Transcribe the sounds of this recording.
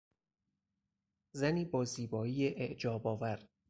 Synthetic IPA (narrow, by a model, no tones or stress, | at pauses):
zæniːbɒːziːbɒːiːjeʔeʔd͡ʒɒːbɒːvæɾ